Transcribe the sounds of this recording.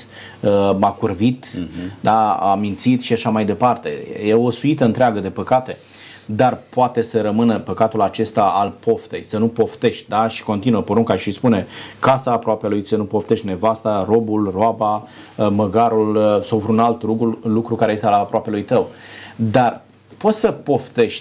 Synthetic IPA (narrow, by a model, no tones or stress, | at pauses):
əmakurvit̪d̪aa̰mint̪sit̪ʃiaʃamajd̪e̞part̪e̞̰jeosuit̪əɨnt̪ɾeaɡəd̪e̞pəkat̪e̞ | d̪arpoat̪e̞səɾəmɨnəpəkat̪ulat͡ʃe̞st̪aalpo̞ft̪e̞̰jsənupo̞ft̪e̞ʃt̪̚ʲd̪aʃi̥ko̞nt̪inuəpoɾuŋkaʃispune̞kasaːpɾoapelujsənupo̞ft̪eʃt̪ʲne̞vast̪aro̞bulroaba | məɡaɾulsowvɾunalt̪ulukɾukaɾe̞je̞st̪ealapɾoape̞lujt̪əwd̪ar | po̞t̪ʲsəpo̞ft̪e̞ʃt̪ʲ